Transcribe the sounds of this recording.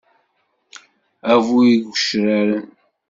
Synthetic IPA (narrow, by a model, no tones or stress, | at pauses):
ævuiɡʷəʃɾaɾən